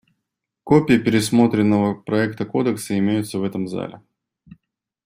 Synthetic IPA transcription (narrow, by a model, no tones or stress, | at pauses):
kopʲɪjəpʲɪɾʲɪsmo̞t̪ɾʲɪnːəvəpɾɐɛkt̪əko̞d̪əksəɪmʲejʊt̪səvɛt̪əmza̰lʲɪ̰